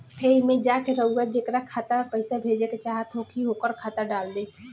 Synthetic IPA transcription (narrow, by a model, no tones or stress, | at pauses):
eːimẽd͡ʒaːkeɾəuɡad͡ʒeːkɾakʰaːt̪apəɪsabʱeːd͡ʒeket͡ʃaːɦət̪okʰiɦokəɾkʰaːt̪aɖaːld̪eː